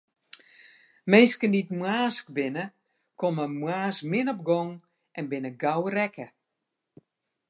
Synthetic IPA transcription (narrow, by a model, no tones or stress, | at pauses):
mɪnskənditmwaːskbɪnə | koməmwaːsmɪnɔp̚ɡɔŋ | ʔɛnbɪnəɡawrɛkə